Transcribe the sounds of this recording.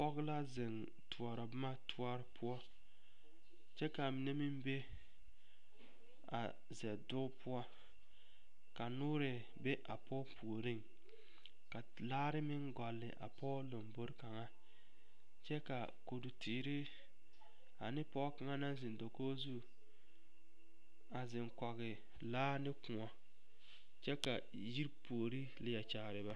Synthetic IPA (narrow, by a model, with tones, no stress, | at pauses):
pɔ˦ɡla˦zɪ˨n | tʰu˨ɔ˨ɾɔ˨bʊ˦ma˦tʰʊ˦ɔ˦ɾpʊ˦ɔ˦ | t͡ʃɛ˦ka˨mɪ˨ne˦mɪ˦mbe˦ | a̰˨ | zɛ˨dʊ˦pʰʊ˦ɔ˦ | ka˨nʊː˦ɾɪ˨ | be˦ʔa˨pɔː˦pʰu˨o˨ɾi˦ŋ | ka˨ | laː˦ɾɪ˦mɪ˦ŋɡɔ˨lːɪ̰˨ʔa̰˨pɔː˦lo˨mbo˦ɾka˨ŋa˦ | t͡ʃɛ˦ka̰˨ | ko˨du˨tʰiː˨ɾɪ˦ | a̰˨nɪ˦pɔː˦ka˨ŋa˦na˦n˦zɪ˨n˨do˨ko˦zu˦˨ | a˨zɪ˨ŋkɔ˨ɣɪ˨ | laː˦nɪ˦kʊ˨ɔ˨ | t͡ʃɛ˦ka˨ | ji˦ɾpu˨o˨ɾi˦lɪ˨a˨t͡ʃa˨ɣɾɪ˨ba˦